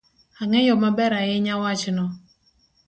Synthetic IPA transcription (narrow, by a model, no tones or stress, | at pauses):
aŋɛjɔmabɛɾajɪɲawat͡ʃnɔ